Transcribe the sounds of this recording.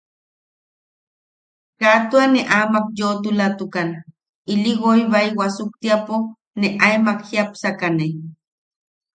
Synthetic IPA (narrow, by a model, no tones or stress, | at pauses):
kaʔt̪uaneʔamak̚jot̪ulat̪ukana | iliɣoiβaiwasuk̚t̪iapo | neʔaemakxiapsakane